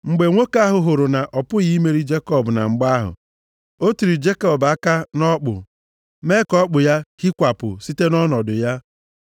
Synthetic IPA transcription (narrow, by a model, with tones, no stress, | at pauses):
ŋ͡m̩˨ɡ͡be˨ŋʷo˦ka˦ɦʊ˨ɦʊ˨ɾʊ˨na˨ʔɔ˨pʊ˦ɣi˦me˦ɾi˦d͡ʒe˦kɔ˦˨bna̰˨ŋ͡m̩˨ɡ͡ba˦ɦʊ̰˨ | o˦tu˨ɾi˨d͡ʒe˦kɔ˦˨ba˦ka˦nɔ˦k͡pʊ̰˨ | me˦kɔ˦k͡pʊ˨ja˦ki˦kʷa˨pʊ̰˨si˦te˦nɔ˦nɔ˨dʊ˨ja˦